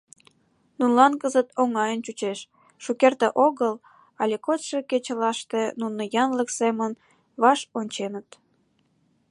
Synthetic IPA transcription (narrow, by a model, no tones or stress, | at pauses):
nunlɑnkəzət̪oŋɑjənt͡ɕut͡ɕeʃː | ukert̪eʔoɣəl | ɑlʲekot̪ʃeket͡ɕəlɑʃt̪enunəjɑnləksemən | βɑʃonʲt͡ɕenət̪